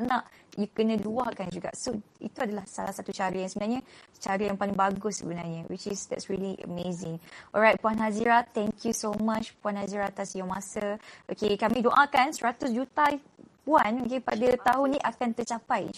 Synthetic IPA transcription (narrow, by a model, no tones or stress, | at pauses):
nãʔjukənə̃luahkand͡ʒuɡa̰ʔsoḭt̪uadalahsalahsat̪ut͡ʃaɾəjaŋsəbənarɲət͡ʃaɾəjaŋpalɪŋbaɡʊssə̰bənarɲawit͡ʃɪsd̪ɛ̰tsɹiliʔə̰mezɪ̃ŋʔɔ̰lɹajt̚puanɦaziɾat̪ɛ̃ŋkjusomat͡ʃpuanhaziɾat̪asjamasəʔo̰kekamĩdõʔãkansəɾat̪ʊsd͡ʒut̪ai | puanokepa̰dat̪aɦʊnĩʔakant̪ət͡ʃapaj̰